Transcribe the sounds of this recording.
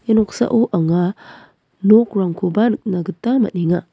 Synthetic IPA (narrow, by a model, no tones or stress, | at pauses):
enoksa̰ʔuʔaŋa | nok̚ɾaŋkʰubanɯk̚naɡɯtamɐ̰t̚niŋa